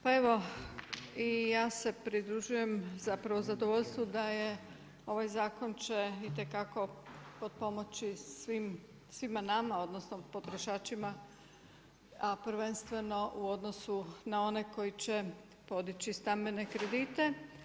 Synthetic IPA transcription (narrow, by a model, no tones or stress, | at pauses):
pae̞ʋo̞ | ijaːse̞pɾid̪ɾuʒuje̞mzapɾaʋozad̪oʋo̞ʎst̪ʋud̪aje̞ | o̞ʋajzaːko̞nt͡ɕeit̪e̞kako̞pod̪̚po̞mo̞t͡ʃisʋim | sʋimanamao̞d̪nosnopo̞t̪ɾo̞ʃaːt͡ʃima | apɾʋenst̪ʋe̞no̞ʔuo̞d̪no̞sunao̞ne̞ko̞jit͡ɕe | po̞d̪it͡ɕist̪ambene̞kɾe̞d̪it̪e̞